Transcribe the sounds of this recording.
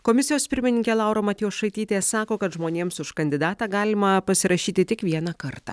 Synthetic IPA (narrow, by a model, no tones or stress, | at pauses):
komʲɪsʲɪjoːspʲɪɾʲmʲɪnʲɪŋʲkʲɛlˠɑˑʊɾoːmɐt̪ʲɪjosʃɐɪt̪ʲiːt̪ʲesɑːkoːkɐt̪ʒmoːnʲeːmsʊʃkɐnʲd̪ʲɪd̪ɑːt̪ɑːɡɑːlʲɪmɐpɐsʲɪɾɐʃʲiːt̪ʲɪt̪ʲɪkʋʲiɛnɑkɐɾt̪ɑ̰ː